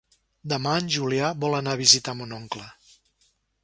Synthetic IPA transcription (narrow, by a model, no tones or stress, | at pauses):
d̪əmaənʲʒuliaβɔlənaβizit̪amunɔŋklə